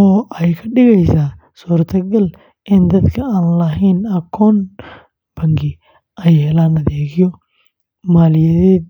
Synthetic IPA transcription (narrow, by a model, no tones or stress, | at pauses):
ɔːʔɛjkʰɐɖɪɣɛjsaː | suːɾt̪ʰɐɡɐl | ʔɪnd̪ɐd̪kʰɐaːnlɐɦɛnɐkʰɔːn | b̥ɐŋɡɪ | ʔɛjhɛlaːnɐðɛːɣɪjɔ | maːlɪjɐðɛː